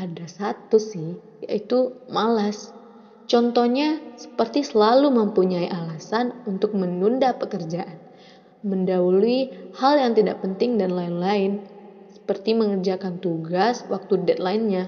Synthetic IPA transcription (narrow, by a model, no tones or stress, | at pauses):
ʔadasat̪usɪh | ja̰it̪umalas | t͡ʃɔnt̪ɔhɲasə̥pərt̪isəlaluməmpuɲaiʔalasanunt̪ʊk̚mənundapəkərd͡ʒaʔan | məndauluihaljaŋt̪idaʔpənt̪ɪŋdanlaɪnlaɪn | sə̥pərt̪iməŋərd͡ʒakant̪uɡaswak̚t̪udɛt̪̚laɪnɲa